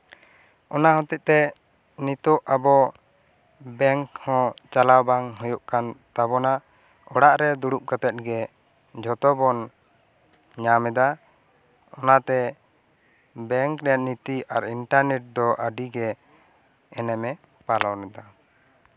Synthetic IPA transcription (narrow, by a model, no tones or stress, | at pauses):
ɔnaɦɔ̃t̪iʔ̪̚t̪ɛ | nit̪ɔʔabɔ | bɛŋkhɔ̃t͡ʃalawbaŋɦɔjɔʔkant̪abɔna | ɔɽaʔɾɛd̪uɽup̚kat̪ɛt̪̚ɡɛ | d͡ʒʱɔt̪ɔbɔn | ɲamɛd̪a | ɔnat̪ɛ | bɛŋkɾɛaʔ̪̚nit̪iaɾiɳʈaɾnɛʈ̚d̪ɔʔaɖiɡɛ | ɛnɛmɛ | palawnɛd̪a